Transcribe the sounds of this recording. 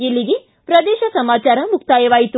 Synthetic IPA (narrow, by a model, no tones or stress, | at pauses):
ilːiɡe | pɾɐd̪ɛːʃɐsɐmaːt͡ʃaːɾɐmukt̪aːjɐʋaːjit̪u